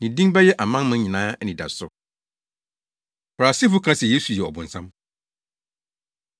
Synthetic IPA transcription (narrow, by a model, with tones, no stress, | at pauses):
nɪ̃˨dĩ˦ŋ˦bɛ˦jɛ˦ʔa˨mã˦nmʊ̃˦ɲɪ̃˨nãː˦nɪ̃˨da̰˨sʊ̰˨ | fɾa˨si˦fʊ˦kʰã˦sɛ˨je˦su˨jɛ˨ɔ˨bʊ̃˨n̩˨sã˦m